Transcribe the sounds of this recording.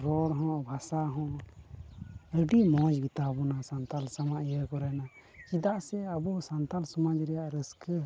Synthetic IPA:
ɾɔɽɦɔ̃bʱasaɦɔ̃ | əɖimɔ̃d͡ʒɡit̪abɔnasant̪alsamaʔijəkɔɾɛna | kid̪aʔsɛabɔsant̪alsɔmad͡ʒɾɛjaʔɾəskə

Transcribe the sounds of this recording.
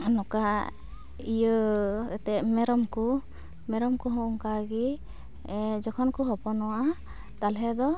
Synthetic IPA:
nɔka | ijəɛt̪ɛmɛɾɔmku | mɛɾɔmkɔɦɔ̃ŋkaɡi | d͡ʒɔkʰɔnkɔɦɔpɔnɔwaʔa | t̪alɦɛd̪ɔ

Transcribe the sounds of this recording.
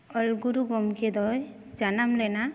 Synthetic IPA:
ɔlɡuɾuɡɔmkʰed̪ɔj | d͡ʒanamlɛna

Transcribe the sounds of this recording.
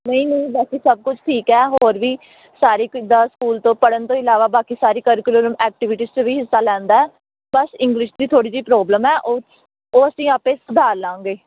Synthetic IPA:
nəĩːnəĩːbɛːkiːsəb̚kʊt͡ʃʰʈʰiːkɛːɦoːɾʋiː | saːɾiːd̪aːskuːlt̪õːpəɽənt̪õːɪlaːʋaːbaːkiːsaːɾiːkəːɾɪkloːɾəmɛːk̚ʈɪʋɪʈiːst͡ʃõːʋiːɦɪsːaːlɛ̃ːnd̪aːɛː | bəsɪ̃ŋɡliːʃd̪iːt̪ʰoːɽiːziːpɾoːbləmɛːʔoː | oːəsĩːaːpẽːsʊd̪ʱaːɾlãːŋɡeː

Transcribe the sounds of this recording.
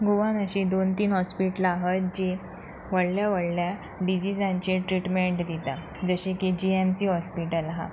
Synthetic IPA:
ɡoʋanəɕid̪ont̪iːnɦɔspiʈəlaɦət̪̚d͡ʑe | ʋəɽljaʋəɽlja | ɖid͡ʑid͡zãɲt͡ɕeʈɾiʈmeɳʈd̪it̪a | d͡zəɕeked͡ʑiemsiɦɔspiʈəlɦa̰

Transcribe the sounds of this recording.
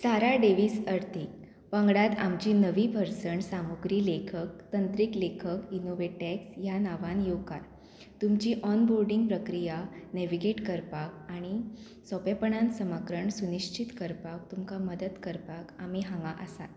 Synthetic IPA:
saɾaɖeʋiːsəɾt̪ʰik | ʋãŋɡɽat̪amt͡ɕiːnəʋipəɾsəɳʈsamoɡɾiːlekʰək̚t̪ənt̪ɾiklekʰəkinoʋeʈeksjanaʋãnjokaɾ | t̪umt͡ɕiːʔɔnboɾɖiŋɡpɾəkɾijaneʋiɡeʈkəɾpak̚aɽ̃i | sɔpepəɳãnsəmakɾəɳsuniɕt͡ɕit̪kəɾpak̚t̪umkaməd̪ət̪kəɾpakam̤iɦãŋɡaʔə̰sa̰t̪

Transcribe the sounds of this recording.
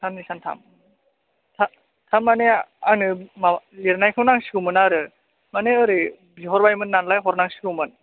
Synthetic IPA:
tʰamnisantʰa̰m | tʰa | tʰamːaneanɯmaliɾnajkʰɯwnaŋsi̥kɯwmɯnaɾɯ | maneɯɾɯ | biɦɔɾbajmɯnːanlajɦɔɾnaŋsi̥kɯwmɯn

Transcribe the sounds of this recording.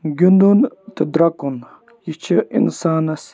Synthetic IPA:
ɡʲund̪unt̪id̪ɾɐkun | jit͡ʃʰiʔḭnsaːnɐs

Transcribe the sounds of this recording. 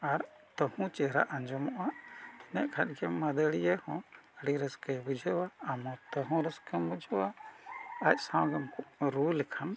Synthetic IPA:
aɾ | t̪ɔhũt͡ʃɛɾa̰ʔaɲd͡ʒɔmɔʔaʔɛnɛʔkʰat̪̚ˀɡɛməd̪əɽijɛhɔ̃əɽiɾəskəbud͡ʒʱəwaamɔ̃t̪ɔɦɔ̃ɾəskəmbud͡ʒəwa | ac̚sãwɡəmkɔʔɾulɛkʰan

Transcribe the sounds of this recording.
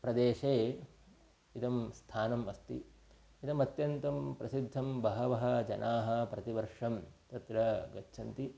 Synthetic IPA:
pɾɐd̪eːʂeː | it̪ɐmst̪ʰaːnɐmɐst̪ḭ | it̪ɐmɐt̪jɐnt̪ɐmpɾɐsid̪ʱːɐmbɐɦɐʋɐɦɐ̆d͡ʒɐ̰nʔaːɦɐ̆pɾɐt̪iʋɐɾʂɐmt̪ɐt̪ɾɐɡɐt͡ʃːʃʰɐnt̪i

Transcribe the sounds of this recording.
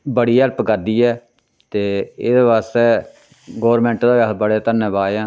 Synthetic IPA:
bəɽiːəɾpkəɾd̪iːɛː | t̪eːḛːd̪eːbaːst̪eː | ɡɔːɾmɛ̃ːɳʈd̪aːabəɽeːt̪ənẽːbaːãː

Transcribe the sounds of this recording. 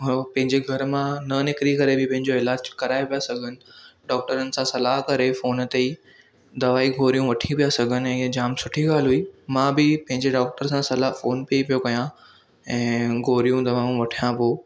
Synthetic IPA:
pɐ̃ɦɪ̃ɲd͡ʑeɡʱɐɾmãnɐnɪkɾikɐɾebɪpɐ̃ɦɪ̃ɲd͡ʑoɪlaːd͡ʑkɐɾaːepijasɐɡʱənɪ̆ɖɔːk̚ʈəɾənɪ̆sãsɐlaːɦkɐɾefoːnt̪ei | d̪ɐʋaːiɡʱoːɾijũʋɐʈʰĩpijasɐɡʱənɪ̆ɛ̃ɪɦəd͡ʑaːmsʊʈʰiɡaːlɦuiːmãːbɪpɐ̃ɦɪ̃ɲd͡ʑeɖɔːk̚ʈəɾsãsɐlaːɦfoːnpiipijokɐjã | ɛ̃ːɡʱoːɾijũd̪ɐʋaːjũʋɐʈʰijãpoː

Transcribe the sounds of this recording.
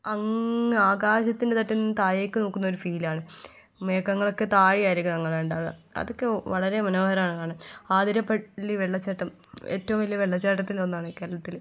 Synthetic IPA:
ɐŋaːɡaːɕɐt̪ːindet̪ɐtːɐnt̪aːjeːkːɨnoːkːunːɐo̞ɾufiːlaːɳɨ | meːkːɐŋːɐɭo̞kːet̪aːɻijaːjiɾikʲːunɐŋːɐɭeuɳɖaːɣɐɐ̰ðo̞kːeʋɐɭɐɾe̞mɐnoːɦɐɾɐmaːɳɨkaːɳɐmaːd̪iɾɐpːɐɭːiʋeɭːɐt͡ɕːɐʈːɐm | ḛːtːɐʋumʋɐlijɐʋeɭːɐt͡ɕːaːʈːɐt̪ːilonːaːɳɨke̞ːɾɐɭɐt̪ːil

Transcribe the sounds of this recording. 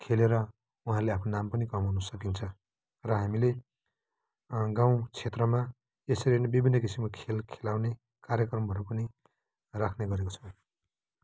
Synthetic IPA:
kʰeleɾʌ | uɦãleapʰnonampʌnikʌmɦunʌsʌkint͡sʰʌ | rʌɦamile | ɡãw̃t͡sʰet̪rʌma | esʌɾenebibʱinːʌkisimkakʰelkʰelawne | karjʌkrʌmbʱʌɾupʌni | rakʰneɡʌɾeko̥t͡sʰʌw̃

